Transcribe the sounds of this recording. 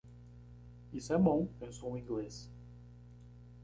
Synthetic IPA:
isɛmõw̃ẽsõw̃ĩŋɡles

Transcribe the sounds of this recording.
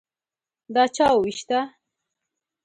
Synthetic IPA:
d̪ɑt͡ʃɑwwiʃt̪a

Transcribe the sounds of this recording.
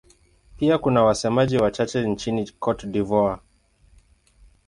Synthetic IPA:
piakunawasɛmaʄiwat͡ʃat͡ʃɛnt͡ʃinikʰɔtdivɔa

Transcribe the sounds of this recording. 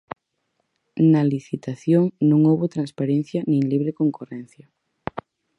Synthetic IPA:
naliθit̪aθjoŋnõŋowβot̪ɾanspaɾen̟θjɐnĩŋliβɾekoŋkorɛn̟θjɐ

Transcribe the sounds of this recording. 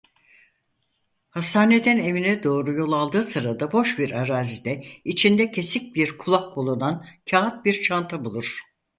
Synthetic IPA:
hasaːne̞d̪æne̞vinɛd̪o̞ːɾujo̞lˠalˠd̪ɯːsɯɾad̪abo̞ʃbiɾaɾaːzid̪ɛit͡ʃʰind̪ɛcʰe̞sic̚ʲbiɾkʰulˠahkʰolˠunancʰaːat̪̚biɾt͡ʃʰant̪ʰabulˠuɾ̥

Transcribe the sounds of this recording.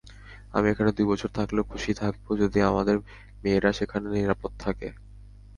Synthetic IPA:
a̰miekʰaned̪ujbɔt͡ɕʰoɾt̪ʰaklekʰuʃit̪ʰak̚bod͡ʑod̪iamad̪eɾ | meːɾaʃekʰaneniɾapot̪̚ːt̪ʰːake

